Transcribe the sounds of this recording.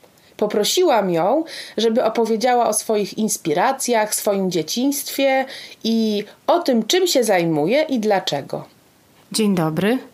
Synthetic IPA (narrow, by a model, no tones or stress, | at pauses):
pɔpɾɔɕiwamjɔ̃w̃ʐɛbɘʔɔpɔvʲjed͡ʑawaʔɔsfɔjixinspʲiɾat̪sʲjaxfsfɔjimd͡ʑet͡ɕiɲ̃st̪fʲjɛiɔt̪ɘmt͡ʂɘmɕɛzajmujɛʔid̪lat͡ʂɛɡɔ̰ | d͡ʑeɲd̪ɔbɾɘ